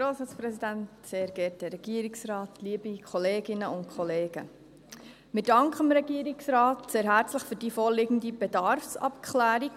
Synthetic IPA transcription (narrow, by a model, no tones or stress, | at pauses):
ɾoːsɑspɾɛsidæntseːɾɡɛt̚dɛɾɛɡ̥iəɾiksrɑːtliːəbikʰχɔleːɡɪnəʊntkʰɔleːɡ̥ə | mɪɾd̥ɑŋkχəmɾɛɡ̥iəɾiksɾɑːtseːɾɦæɾt͡sləχfyːɾdiːfoːlɪɡən̩dib̥ɛdɑɾfsɑ̰pkʰlæːɾi